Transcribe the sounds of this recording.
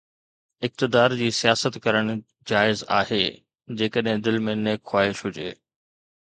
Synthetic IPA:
ɪk̚t̪ɪd̪aːɾd͡ʑiːsijaːsət̪kɐɾəɽ̃ | d͡ʑaːɪza̰ːɦeː | d͡ʑeːkəɗɦɪ̃d̪ɪlmẽneːkxwaːɦɪʃɦʊd͡ʑḛː

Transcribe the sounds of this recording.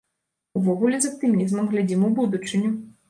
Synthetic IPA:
uvɔɣulʲɛzɐp̚t̪ɨmʲizmɐmɣlʲad͡zʲimubud̪ut͡ʂɨnʲɛ

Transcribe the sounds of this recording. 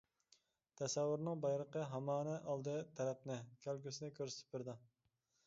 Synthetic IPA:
t̪ʰɛsɛwːyɾnɨŋbɑjɾˠəqəɦɑmɑːnɛʔɑlˠd̪ɨt̪ʰɛɾɛp̚nɪkʲʰælɡʲysɪnɪkʲʰøɾsɪ̥t̪ʰɪ̥p̚bɪɾd̪ɨ

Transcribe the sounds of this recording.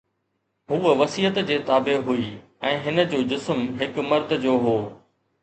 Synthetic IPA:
ɦuːəʋɐsiːət̪d͡ʑeːt̪aːbeɦuiː | ɛ̃ːɦɪnə̆d͡ʑoːd͡ʑʊsmɦɪkmɐɾd̪ʱd͡ʑoːɦoː

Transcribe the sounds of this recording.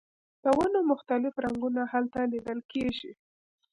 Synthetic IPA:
d̪̥əwanomʊxt̪alɪfɾaŋɡunahalt̪alid̪əlkeʒi

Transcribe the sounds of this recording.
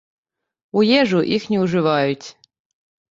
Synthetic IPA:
ujeʐuʔixnʲeuʐɨvɑjut̪ʲ

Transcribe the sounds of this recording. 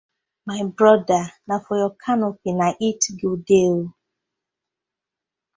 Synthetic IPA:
maɪbɾɔdanafojɔkʰanʊpinaʔitɡodeo

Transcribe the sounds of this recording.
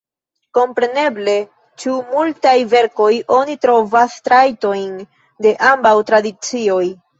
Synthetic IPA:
ko̞mpɾe̞ne̞ble̞ | t͡ʃumultajve̞ɾko̞jʔo̞nitɾo̞vastɾajto̞jn | de̞ʔambawtɾadit͡sio̞j

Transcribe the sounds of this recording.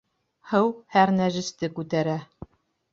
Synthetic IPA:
hɤwhæɾnæʒɘ̆st̪ɘkʉt̪æɾæ

